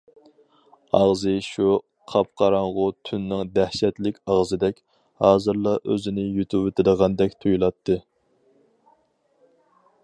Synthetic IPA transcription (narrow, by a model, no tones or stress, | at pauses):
ɑʁzɨʃu | qʰɑpqʰɑɾɑɴʁʊt̪ʰynːɪŋd̪æhʃɛt̪lɪkʲɑʁzɨd̪ɛkʲ | hɑːzɨɾlˠɑʔøzɪnɪjyt̪ʰuwet̪ʰɪd̪əʁɑnd̪ɛkʲt̪ʰujulˠɑt̪ʰːɨ